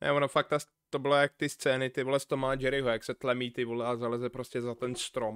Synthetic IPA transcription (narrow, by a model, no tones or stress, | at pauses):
nɛ̰monofak̚t̪as | t̪obɪlajak̚t̪ɪst͡sɛːnɪt̪ɪvulɛst̪omaːd͡ʒɛɾɪɦojaksɛt̪lɛmiːt̪ɪvulɛazalɛzɛpɾoscɛzat̪ɛnst̪ɾom